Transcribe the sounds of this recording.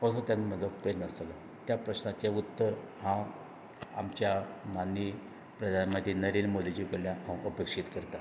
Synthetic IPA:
əsõt̪janm̤əd͡zəkpɾed̪nəsala | t̪japɾəɕnat͡ɕaut̪ːəɾ | hã | a̰mt͡ɕjamani | pɾəd̪ʱanmət̪inəɾiːnmod̪ʱid͡ʑikoljãɦãwʔəpekʂiːt̪kəɾt̪a

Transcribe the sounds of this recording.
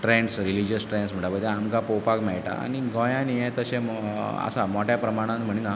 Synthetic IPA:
ʈɾeɳɖsɾilid͡ʑəsʈɾẽɳɖsm̤əɳʈabəd̪eamkapowpakmɛjʈa̰a̰ɽ̃iɡɔ̃jãnijẽt̪əɕẽə̰samoʈjapɾəmaɽ̃ãnm̤əɽ̃ina

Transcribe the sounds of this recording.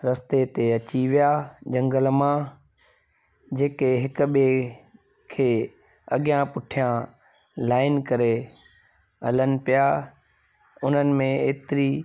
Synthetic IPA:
ɾɐst̪et̪eɐt͡ɕiʋijaːd͡ʑɐ̃ŋɡəlmã | d͡ʑeːkeɦɪkʊ̆ɓe | kʰeː | ɐɠɪjãpʊʈʰijã | laːɪnkɐɾe | ɦɐlənɪ̆pija | ʊn̤ənɪ̆mẽeːt̪ɪɾi

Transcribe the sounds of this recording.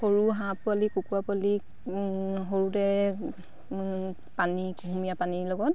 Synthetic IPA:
hoɹuɦãpualikukuapali | ɦoɹutɛ | panikɦumijapanilɔɡɔt

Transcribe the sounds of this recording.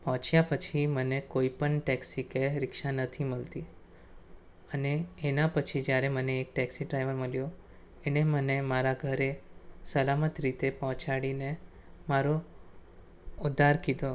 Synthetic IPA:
pəɦɔ̃t͡ʃjapət͡ʃʰimənekoipəɳʈɛksikeɾɪkʃanət̪ʰiməlt̪i | əneːnapət͡ʃʰid͡ʒjaɾeməneːk̚ʈɛksiʈɾajʋəɾməljo | enemənemaɾaɡʱəɾesəlamət̪ɾit̪epəɦɔ̃t͡ʃaɽine | maɾo | ʊd̪ʱaɾkid̪o

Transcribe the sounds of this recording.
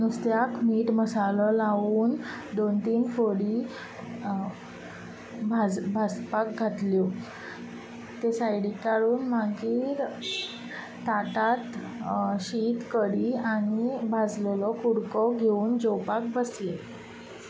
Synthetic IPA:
nust̪jakmiːʈməsalɔlaʋuːnd̪ont̪iːnfoɽi | bʱad͡zbʱad͡zpak̚ɡʱat̪ljɔ | t̪esajɽikaɽuːnmaɡiːɾ | t̪at̪at̪ | ɕit̪kəɽiañibʱad͡zllɔkuɽkɔɡʱeuːnd͡zowpak̚bəsle

